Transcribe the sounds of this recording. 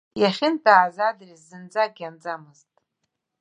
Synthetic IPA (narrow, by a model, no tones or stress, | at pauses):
jaχʲɪntʰʼaːzadrizːɨnd͡zaɡʲand͡zamɨztʼ